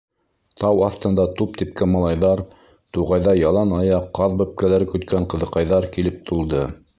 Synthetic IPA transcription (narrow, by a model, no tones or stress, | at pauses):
t̪ɑwɑθt̪ɤ̆nd̪ɑt̪up̚t̪ip̚kæmɑlˠɑjðɑɾ | t̪uʁɑjðɑjɑlˠɑnɑjɑqːɑðbɵp̚kælæɾɘkɵ̆t̪̚kæɴqɤ̆ðɤ̆qɑjðɑɾkilɘp̚t̪ulˠd̪ɤ